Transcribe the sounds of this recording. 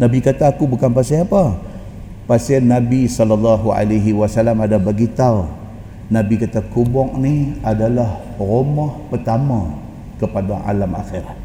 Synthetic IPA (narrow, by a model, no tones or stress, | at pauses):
nabikat̪aːkubukanpasiapa | pasianːabisɔlalːaɦua̰laɦiwasalamadabaɡit̪au | nabikat̪akubɔŋ̚niadalah | romɔhpərt̪amã | kəpadaʔa̰lama̰xiɾat̪̚